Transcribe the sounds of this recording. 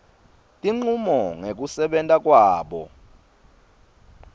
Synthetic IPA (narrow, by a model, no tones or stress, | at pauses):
tʼiŋ͡ǀumɔŋek̬usɛɓɛntʼak̬ʼwaːɓɔ̰